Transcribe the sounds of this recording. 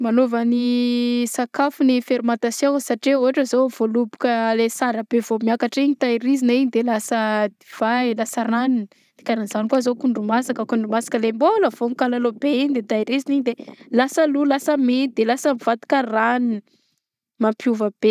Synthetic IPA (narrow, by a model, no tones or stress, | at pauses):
manovənisakafunifeɾumat̪asasaʈ͡ʂeoaʈ͡ʂəzov̥olubu̥kəlesaɾəb̥evomiakaʈ͡ʂiɲit̪ajiɾiziniɲid̪elasəd̪iv̥alasaɾaninə | d̪̥i̥kʲaɾanz̥anikwazokuɳɖ͡ʐumasakəkuɳɖ͡ʐumasḁkəlemboləvoŋikalalobeiɲid̪et̪ajɾiziniɲid̪elasəlulasəmed̪elasəmiv̥at̪i̥kəran | mampjuvəb̥e